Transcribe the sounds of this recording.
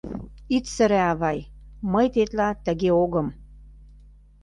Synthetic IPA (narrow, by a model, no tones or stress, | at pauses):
it̪sə̆ɾæɑβɑjməjt̪et̪lɑt̪ə̆ɣeoɣɤ̆m